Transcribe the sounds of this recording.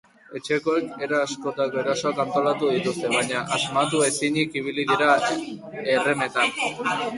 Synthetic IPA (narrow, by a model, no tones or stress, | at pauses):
e̞t͡ʃe̞ko̞e̞ke̞ɾaasko̞t̪ako̞e̞ɾaso̞akant̪o̞lat̪uðit̪ust̪e̞βajɲaʔazmat̪ue̞siɲikiβ̞iliðiɾa | e̞re̞me̞t̪an